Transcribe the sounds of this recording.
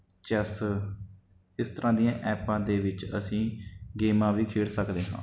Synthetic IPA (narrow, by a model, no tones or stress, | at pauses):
t͡ʃəs | ɪst̪əɾʔãːd̪ɪjãːʔɛːpãːd̪eːʋɪt͡ʃə̰sĩːɡeːmãːʋiːkʰeːɽsəkd̪eːɦã̰ː